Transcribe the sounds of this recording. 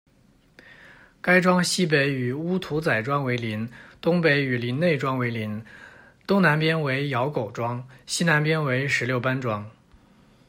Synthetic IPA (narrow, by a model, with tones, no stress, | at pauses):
ka˥ɪʈ͡ʂwɑ˥ŋɕi˥p̬e˧˥ɪy˨˩u˥t̪ʰu˧˥t͡sa˨˩ɪʈ͡ʂwɑ˥ŋwe˧˥ɪli˧˥nt̪ʊ˥ŋpe˧˥ɪy˨˩li˧˥nne˥˩ɪʈ͡ʂwɑ˥ŋwe˧˥ɪli˧˥n | t̪ʊ˥ŋna˧˥npjɛ˥nwe˧˥ɪjɑ˧˥ʊko˨˩ʊʈ͡ʂwɑ˥ŋɕi˥na˧˥npjɛ˥nwe˧˥ɪʂɻ̩˧˥ljo˥˩ʊpa˥nʈ͡ʂwɑ˥ŋ